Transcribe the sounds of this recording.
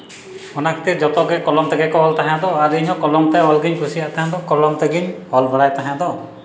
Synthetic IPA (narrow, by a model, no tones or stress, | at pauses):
ɔnakʰt̪iɾd͡ʒɔt̪ɔɡɛkɔlɔmt̪ɛɡɛkɔɦɔlt̪aɦãd̪ɔaɾiɲɦɔ̃kɔlɔmt̪ajɔlɡiɲkʰusiaʔt̪aɦãd̪ɔkɔlɔmt̪eɡiɲɔlbʱɔɽajt̪aɦãd̪ɔ